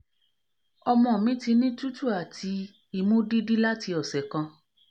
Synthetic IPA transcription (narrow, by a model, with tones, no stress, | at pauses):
ɔ˧mɔ̃˧˨mĩ˨˦ti˧nĩ˦tu˦tu˦˨a˨tʰi˧ | i˦˨mũ˦di˦di˦la˦ti˧ɔ˨sɛ˨kã˧